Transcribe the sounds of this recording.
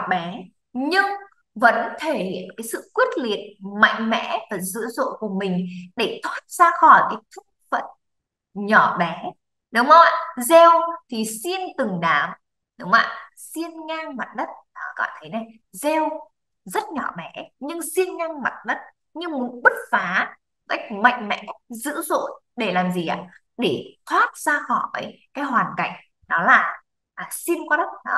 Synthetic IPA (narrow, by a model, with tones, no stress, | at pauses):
ɓɛ˨˦ | ɲɨ˧ŋ | və̰˧˥nt̪ʰe˧˩hḭ˧˨ənkaː˨˦jsɨ̰˧˨kwi˦˥ət̚lḭ˧˨ən̚ma̰˧˨jŋ̟mɛ̰˧˥vaː˨˩zɨ̰˧˥əzo̰˧˨ku˧˩əmï˨˩ŋ̟ɗe˧˩t̪ʰwaː˦˥t̚z̥aː˧xɔ˧˩jkaː˨˦jt̪ʰu˦˥k̚fə̰˧˨n | ɲɔ˧˩ɓɛ˨˦ | ɗʊ˨˦ŋ͡mɔ̰˧˨zɛ˧wt̪ʰi˨˩si˧ənt̪ɨ˨˩ŋɗaː˨˦m | ɗʊ˨˦ŋ͡ma̰ː˧˨ | si˧ənŋaː˧ŋma˨˩t̚ɗə˦˥t̚ɔ˨˦kɔ̰˧˨t̪ʰə˨˦jna˨˩j | zɛ˧w | zə˦˥t̚ɲɔ˧˩ɓɛ˨˦ɲɨ˧ŋsi˧ənŋaː˧ŋma˨˩t̚ɗə˦˥t̚ | ɲɨ˧mu˨˦ənɓə˦˥t̚faː˨˦ | ka˦˥k̚ma̰˧˨jŋ̟mɛ̰˧˨ka˦˥k̚zɨ̰˧˥zo̰˧˨j | ɗe˧˩laː˨˩mzi˨˩ʔa̰ː˧˨ | ɗe˧˩t̪ʰwaː˦˥t̚z̥aː˧xɔ˧˩vəː˨˦jkaː˨˦jɦwaː˨˩nka˧˩jŋ̟ | ɗɔ˨˦laː˨˩ | ʔaː˨˩si˧ənkɔ˨˧ɗə˦˥t̚ɗɔ̰˨˦